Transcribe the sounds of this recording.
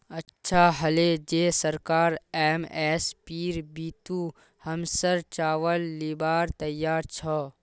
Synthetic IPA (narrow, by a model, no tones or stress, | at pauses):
ɐtːʃʰaɦɐled͡ʒeːsəɾkaːɾeːmeːspiːɾbiːt̪uː | hɐmsəɾt͡ʃaːʋəlːibaːɾt̪ɐjːaːɾt͡ʃʰɔ